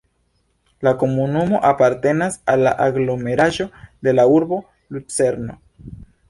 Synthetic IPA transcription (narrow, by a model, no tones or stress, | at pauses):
lako̞munumo̞ʔapaɾte̞nasalːaʔaɡlo̞me̞ɾaʒo̞d̪e̞lauɾbo̞ | lut͡se̞ɾno̞̰